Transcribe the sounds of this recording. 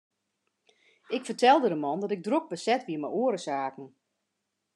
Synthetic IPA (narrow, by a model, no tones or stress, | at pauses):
ɪkfərtʰɛlˠdədəmɔndɔtɪɡ̚drok̚bəsɛtʋiəməjoəɾəsaːkn̩